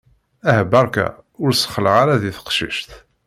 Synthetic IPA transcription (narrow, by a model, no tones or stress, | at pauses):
æhəbɑɾˤkæ̰ʊɾsə̥χəlʁaɾaðiθə̥qʃḭʃθ